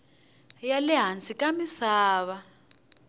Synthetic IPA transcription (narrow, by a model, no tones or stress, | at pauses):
jalɛɦant͡sʼikamisaːβa